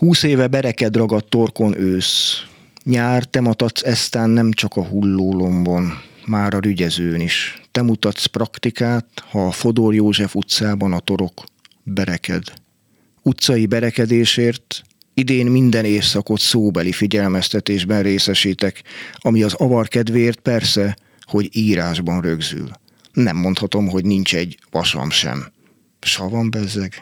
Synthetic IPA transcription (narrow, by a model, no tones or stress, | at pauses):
huːseːvɛbɛɾɛkɛd̪rɒɡɒt̪ːo̞rko̞nʔøːs | ɲaːrt̪ɛmɒt̪ɒt̪sɛst̪aːnːɛmt͡ʃɒkɒɦulːoːlo̞mbo̞nmaːɾɒɾyɟɛzøːniʃt̪ɛmut̪ɒt̪sprɒkt̪ikaːt̪hɒfo̞d̪orjoːʒɛfut̪saːbɒnɒt̪o̞ɾo̞k | bɛɾɛkɛ̰d̪ | ut̪sɒjibɛɾɛkɛd̪eːʃeːrt̪ | id̪eːnmind̪ɛneːsɒko̞t̪soːbɛlifiɟɛlmɛst̪ɛt̪eːʒbɛnreːsɛʃiːt̪ɛkɒmiɒzɒvɒrkɛd̪ʋeːrt̪̚pɛrsɛ | ho̞ɟiːɾaːʒbɒnrø̞ɡzy̰l | nɛmːo̞nt̪hɒt̪o̞mɦo̞ɟnint͡ʃɛɟʋɒʃɒ̰mʃɛ̰m | ʃɒvɒmbɛzɛɡ